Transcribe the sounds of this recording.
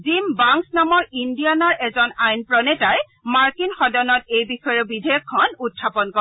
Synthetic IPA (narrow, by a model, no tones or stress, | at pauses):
zimbaŋsnɔmɔɹindianɔɹʔɛzɔnajnpɹɔnɛtaj | maɹkinxɔdɔnɔtejbixɔjɔbidʱejɔkʰːɔnutʰːapɔnkɔ